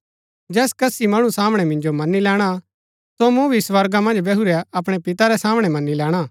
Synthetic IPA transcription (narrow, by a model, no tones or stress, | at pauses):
d͡ʒɛːskɐsimɐɽ̃usaːmɽ̃ɛmɪ̃nd͡ʒomɐnːilɛːɽ̃a | somũbʱisʋɐɾɡamɐ̃nd͡ʒbɛɦuɾɛɐp̬ɽ̃ɛpɪt̪aɾɛsaːmɽ̃ɛmɐnːilɛːɽ̃aː